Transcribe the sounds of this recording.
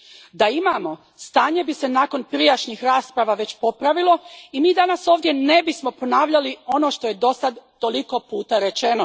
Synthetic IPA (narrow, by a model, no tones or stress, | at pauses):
d̪aimaːmo̞ | st̪aːɲe̞bise̞naːko̞npɾijaʃɲixɾaːspɾaʋaʋe̞t͡ɕpo̞pɾaʋilˠo̞imiːd̪anaso̞ːʋd̪je̞ne̞bismo̞po̞naːʋʎalio̞no̞ːʃt̪o̞je̞d̪o̞sad̪ːo̞liko̞puːt̪aɾe̞t͡ʃeno̞